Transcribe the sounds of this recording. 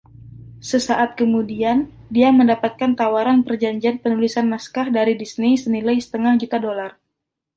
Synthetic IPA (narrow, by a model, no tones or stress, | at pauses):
səsaʔat̪̚kəmudian | diaməndapat̪̚kant̪awaɾanpərd͡ʒaɲd͡ʒianpənulisanmaskahdaɾidisnisənilajsə̥t̪əŋahd͡ʒut̪adolar